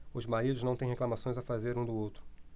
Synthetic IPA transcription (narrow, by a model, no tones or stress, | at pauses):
ʊzmaɾid̪ʊznɐ̃w̃t̪ẽj̃ɦeklɐmasõj̃zafazeɾũd̪ʊowt̪ɾʊ